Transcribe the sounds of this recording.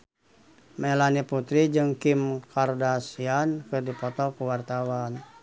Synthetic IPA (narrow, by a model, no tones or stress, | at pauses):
mɛlaniput̪ɾid͡ʒɨŋkimkʰardasiankɨrdipɔt̪ɔkuwart̪awan